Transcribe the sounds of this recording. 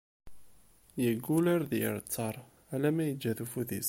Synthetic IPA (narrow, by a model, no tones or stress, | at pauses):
jəɡːulæɾðə̰ɾt͡sːɑɾˤ | ælæmæjəd͡ʒːæðufuðis